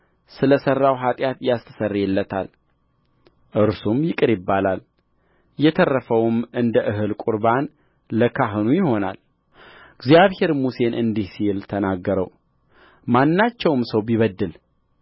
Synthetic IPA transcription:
sɨləsərːawɦat̪ʼjat̪jast̪ʰə̥sərːjɛlːət̪ʰa̰l | ʔɨɾsumjɪkʼɨɾɪbːalal | jɛt̪ʰərːəfəwmʔɨnd̪əʔɨɦɨlkʼuɾban | ləkʰaɦɨnujɪho̞na̰l | ɨɡzijaβhe̞ɾmuse̞nʔɨnd̪ihsilt̪ʰənaɡːəɾə̰w | manːat͡ʃːɛwmsəwbiβəd̪ːɨl

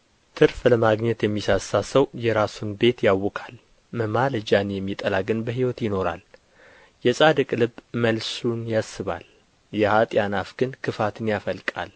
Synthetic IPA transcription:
t̪ʰɨɾfləmaɡɲɛt̪jɛmːisasasəwjɛɾasunbe̞t̪jawːɔkʰal | məmaləd͡ʒanjɛmːit̪ʼəlaɡɨnbəɦiwɔt̪jɪno̞ɾa̰l | jɛsʼad̪ɨkʼlɨbməlsunjasːɨβa̰l | jɛhat̪ʼjanafɡ̥ɨnkʰɨfat̪ʰɨnjafəlkʼa̰l

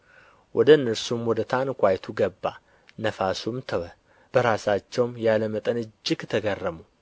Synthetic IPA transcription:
wʔɔd̪əɨnːɨɾsumwɔd̪ət̪ʰankʷajt̪ʰuɡəbːa̰ | nəfasumt̪ʰəwə | b̥əɾasat͡ʃːɛwmjaləmət̪ʼənɨd͡ʒːɪɡt̪ʰəɡərːəmu

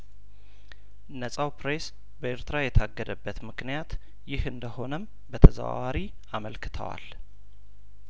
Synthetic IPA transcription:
nəsʼawpɾes | bəeɾt̪ɨɾajɛt̪ʰaɡːəd̪əbːət̪mɨknijat̪ | jɪhɨnd̪əho̞nəm | bət̪ʰəzə̰wa̰waɾi | aməlkʰɨ̥t̪ʰə̰wa̰l

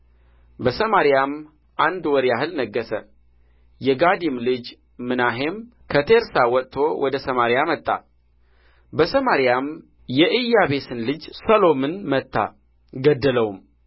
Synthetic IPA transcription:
bəsəmaɾijam | ʔand̪wɔɾjaɦɨlnəɡːəsə̰ | jɛɡad̪imlɨd͡ʒ | mɨnaɦe̞mkʰət̪ʰeɾsawɔt̪ʼt̪ʰo̞wʔɔd̪əsəmaɾijamət̪ʼːa̰ | bəsəmaɾijam | jɛʔɨjːaβe̞sɨnlɨd͡ʒsəlo̞mɨnmət̪ʰːa̰ | ɡəd̪ːələwum

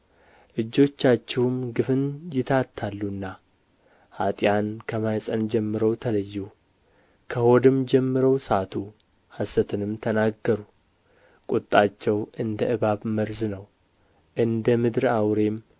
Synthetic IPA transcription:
ʔɨd͡ʒːo̞t͡ʃːat͡ʃːɛhumɡɨfɨnjɪt̪ʰat̪ʰːalːunːa | hat̪ʼjankʰəmajsʼənd͡ʒɛmːɨɾəwt̪ʰələjːu | kʰəho̞d̪ɨmd͡ʒɛmːɨɾəwsat̪ʰu | hasət̪ʰɨnɨmt̪ʰənaɡːəɾu | kʼʊt̪ʼːat͡ʃːɛwɨnd̪əʔɨβaβməɾznəw | ʔɨnd̪əmɨd̪ɾawɾe̞m

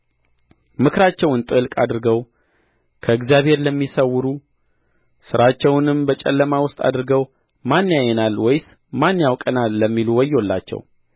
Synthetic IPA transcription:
mɨkɾat͡ʃːɛwnt̪ʼɨɨlkʼa̰d̪ɾɨɡəw | kʰəɨɡzjaβhe̞ɾləmːisəwːɨɾu | sɨɾat͡ʃːɛwnɨmbət͡ʃʼɛ̰lːəmawʊst̪ʼa̰d̪ɾɨɡəw | manːjajːɛnalwɔjs | manːjawkʼənalːəmːiluwɔjːolːa̰t͡ʃːɛ̰w

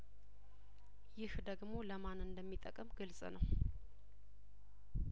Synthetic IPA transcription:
jɪhd̪əɡmo̞ləmanɨnd̪əmːit̪ʼːəkʼəmɡɨlsʼnəw

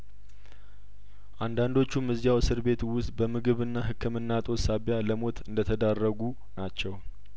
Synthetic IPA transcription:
ʔand̪and̪o̞t͡ʃːumːɨzjawsɨɾbe̞t̪wʊst̪̚bəmɨɡɨβɨnːaɦɨkʰːɨmɨnːat̪ʼo̞saβjaləmo̞t̪ɨnd̪ət̪ʰəd̪arːəɡu | nat͡ʃːɛw

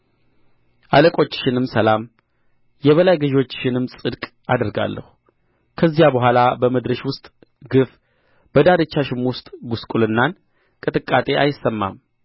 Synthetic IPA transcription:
ʔaləkʼo̞t͡ʃːʃɪnɨmsəlam | jɛβəlajɡɨʒo̞t͡ʃːʃɪnɨmsʼɨd̪kʼ | ad̪əɾɡa̰lːə̰hu | kʰəzːjabəɦʷalabəməd̪ɾəʃwʊst̪ʼ | ɡɨf | b̥əd̪aɾɨt͡ʃːaʃɪmwʊst̪ʼɡuskʼulɨnːan | kʼɨt̪ʼɨkʼːat̪ʼe̞ʔa̰jɪsːəmːa̰m

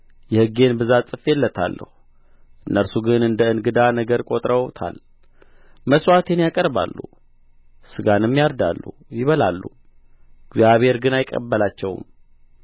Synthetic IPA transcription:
jɛhɨɡːe̞nbɨzasʼɨfelːət̪ʰa̰lːə̰hu | ʔɨnːəɾsuɡɨnɨnd̪əɨnɡɨd̪anəɡəɾkʼo̞t̪ʼɾəwt̪ʰa̰l | məswat̪ʰenjakʼəɾba̰lːṵ | sɨɡanɨmːijaɾd̪a̰lːṵ | jɪβəlalːu | ɡzjaβhe̞ɾɡɨnajkʼːə̰bːəlat͡ʃːɛw̰m

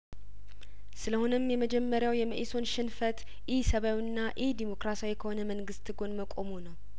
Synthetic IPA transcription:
sɨləho̞nəmjɛməd͡ʒɛmːəɾjawjɛməʔiso̞nʃɪnfət̪ | ʔisəβawinːaʔid̪imo̞kɾasawikʰəho̞nəməŋɡɨst̪ɨɡo̞nməkʼo̞munəw

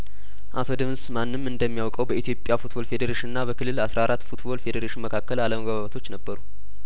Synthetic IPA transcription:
ʔat̪ʰo̞d̪ɨmnsmanːɨmɨnd̪əmːijawkʼəwbəit̪jo̞pʼjafut̪bo̞lfe̞d̪əɾeʃinɨnːabəkʰɨlːɨlasɾaaɾat̪ːfut̪bo̞lfe̞d̪əɾeʃinməkʰakːəlaləməɡaβaβət̪ʰo̞t͡ʃːnəbːəɾu

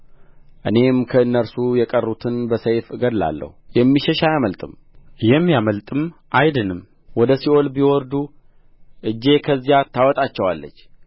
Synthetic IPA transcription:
ʔɨne̞mkʰəɨnːəɾsujɛkʼərːut̪ʰɨnbəsəjfɨɡəd̪la̰lːə̰hujɛmːiʃɛʃajaməlt̪ʼɨm | jɛmːjaməlt̪ʼɨmʔajd̪ɨnɨm | wɔd̪əsiolbiwɔɾd̪u | ʔɨd͡ʒːe̞kʰəzːijat̪ʰːawɔt̪ʼat͡ʃːɛwa̰lːə̰t͡ʃː

